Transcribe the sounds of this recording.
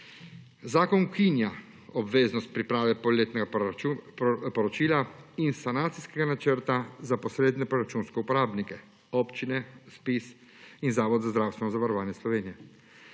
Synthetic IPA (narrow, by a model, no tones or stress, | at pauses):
zaːkɔnʊkinja | ɔbʋeːznɔst̪̚pɾipɾaːʋɛpɔleːt̪nɛɡa | pɔɾɔt͡ʃiːlainsanaːt̪siskɛɡanat͡ʃəɾt̪azapɔsɾeːd̪nɛpɾɔɾat͡ʃunskɛupɔɾaːbnikɛ | ɔpt͡ʃinɛspis | inzaːʋɔd̪zazd̪ɾawst̪ʋɛnɔzaʋaɾɔʋaːnjɛslɔʋeːnijɛ